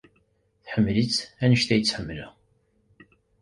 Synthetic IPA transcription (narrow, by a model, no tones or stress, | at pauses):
θħəmːlit͡sːænəʃt̪æjət͡sːħəmːəlæ